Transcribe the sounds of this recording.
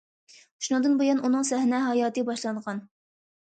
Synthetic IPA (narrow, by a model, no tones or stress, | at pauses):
ʃunɨŋd̪ɨnbojɑnʔunɨŋsɛhnɛɦɑjɑːt̪ɨbɑʃlˠɑɴʁɑn